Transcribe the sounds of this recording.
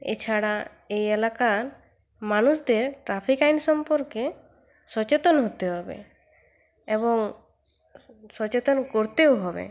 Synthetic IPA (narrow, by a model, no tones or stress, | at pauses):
ḛt͡ʃʰaɽa | ejelakaɾ | manusd̪eɾʈɾapʰikajnsɔmpɔɾke | sɔt͡ɕet̪ɔnɦot̪eɦɔbḛ | ebɔŋ | sɔt͡ɕet̪ɔnkoɾt̪ewɦɔbḛ